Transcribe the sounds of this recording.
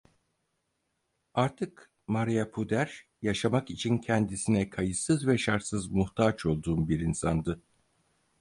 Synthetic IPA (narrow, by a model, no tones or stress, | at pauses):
aɾt̪ʰɯk | maɾijapʰud̪æɾ | jaʃamakit͡ʃʰincʰɛnd̪isinɛkʰajɯsɯzvɛʃaɾt̪sɯzmuht̪ʰaːt͡ʃo̞lˠd̪uːmbiɾinsand̪ɯ